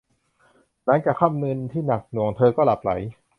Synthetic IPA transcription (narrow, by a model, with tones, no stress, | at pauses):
na˦˥nkaː˨˩kʰa˥˩˨mnɯ˧nt̪ʰiː˥˩na˨˩k̚nu˨˩əŋt̪ʰɤː˧kɔː˥˩la˨˩p̚la̰˩˦j